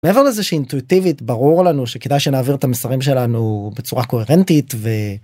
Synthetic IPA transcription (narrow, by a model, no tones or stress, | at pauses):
meeveleezeʃiːint̪uitivit̪baʁuʁlanuʃeked̪ajʃenaːviʁet̪amesaʁimʃ̬e̞lanube̞t͡suʁako̞e̞ʁent̪it̪ve̞